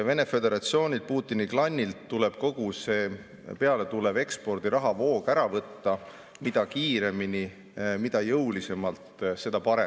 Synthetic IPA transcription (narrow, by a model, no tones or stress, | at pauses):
ɑve̞ne̞fe̞d̪e̞ɾɑt̪sio̞ːnʲil̥̚puːt̪ːˑiniklɑnʲːilt̪ːule̞b̥ko̞ɡ̥use̞ː | pe̞ɑle̞t̪ule̞be̞kspo̞rd̪̥iɾɑɦɑvo̞ːɡ̥æɾɑvɤt̪ːɑ | mid̪̥ɑkiːɾe̞mini | mid̪̥ɑjɤwlise̞mɑlt̪se̞d̪̥ɑpɑɾe